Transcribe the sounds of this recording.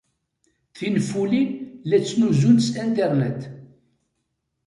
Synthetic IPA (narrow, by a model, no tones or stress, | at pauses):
θinfːulinlæt͡sːnuzunsænt̪ɛɾnæt̪